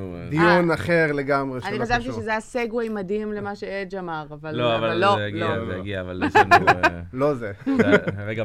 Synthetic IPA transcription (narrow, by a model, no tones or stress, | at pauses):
d̪iunaχeʁle̞ɡamʁeaniχaʃavt̪iʃezejaseɡuajmad̪imlemaʃeed͡ʒamaʁavaloavalːojlioɡiaval | lo̞ze | eɡa